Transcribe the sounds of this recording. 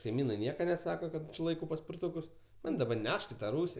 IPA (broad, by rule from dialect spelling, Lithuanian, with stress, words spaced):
kɐɪˈmʲiːnɐɪ ˈnʲiɛkɐ nʲɛˈsɑːkɐ ˈkɐt t͡ʃʲɪ ˈlˠɐɪkɐʊ pɐsʲpʲɪrˈtʊkʊs ˈmɐnʲ dɐˈbɐ ˈnʲɛʃk ɪ tɐ ˈruːsʲɪ